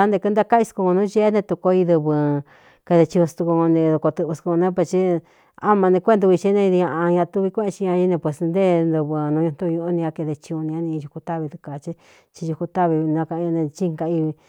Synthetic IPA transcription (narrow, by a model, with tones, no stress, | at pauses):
a˦nd̪e˧kɨ˧˦nd̪a˦ka˦i˧sku˧kõ˧nũ˦ʒe˦nẽ˧t̪u˧ko˧i˧ðɨ˧βɨ˧ | ke˧ðe˧t͡ʃĩ˧ũ˧st̪u˧ku˧ŋõ˧nĩ˧ðo˧ko˧t̪ɨ˧ʔβu˧sku˧o˧nẽ˦p̬we˧st͡ʃi˦ | a˦mã˧nẽ˧kʷːnd̪u˧t͡ʃi˧˦nẽ˧ði˧ã˧ʔa˧ɲã˧t̪u˦˧βi˧kʷẽ˦ʔẽ˧t͡ʃi˧ɲã˧i˦nẽ˧pwe˨snd̪e˦nd̪u˧βɨ˧nũ˧˦ɲũ˧nt̪u˦˧ɲũ˧o˦nĩ˧ã˧ke˧ðe˧t͡ʃĩ˧ũ˧nĩ˧ã˧nĩ˧ʒu˧ku˧t̪a˦βi˧t̪u˧ka˨˧t͡ʃi˦ | t͡ʃi˧u˧ku˧t̪a˦βi˧nã˧kã˧nẽ˧t͡ʃi˦ŋka˧i˧βi˧